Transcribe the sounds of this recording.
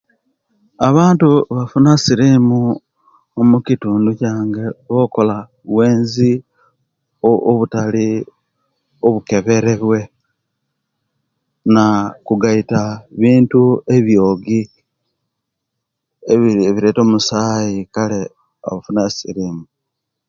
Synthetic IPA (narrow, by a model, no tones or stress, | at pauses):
aβaːntuβafunasiɾimu | omukituːnducaːŋɡe̞βo̞ːko̞la | βwe̞ːnzi | ooβutali | oβuke̞βe̞ɾeβwe̞ | nakuɡaitaβiːntue̞βjoːɡi | eβiɾeːto̞musajikale | o̰βafunasḭɾiːmu